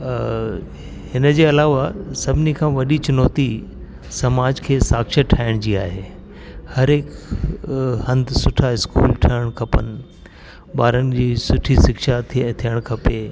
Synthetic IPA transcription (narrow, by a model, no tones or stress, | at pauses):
hɪnəd͡ʑeːɐlaːʋasɐbʱɪnikʰãːʋɐɗit͡ɕʊnɔːt̪i | sɐmaːd͡ʑkʰeːsaːkʃəʈʰaːɪɽ̃d͡ʑiːa̰ːɦeː | hɐɾeːk | hɐ̃nd̪ʱsʊʈʰaɪskṵːlʈʰɐɽ̃kʰɐpənɪ̆ | ɓaːɾənɪ̆d͡ʑiːsʊʈʰisɪkʃat̪ʰt̪ʰijəɽ̃kʰɐpe